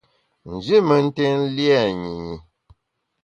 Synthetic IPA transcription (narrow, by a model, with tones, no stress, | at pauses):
n̩˨d͡ʒi˦mə˨n̩˦te˦n̩˦li˦ɛ˦˨ɲi˨ɲi˨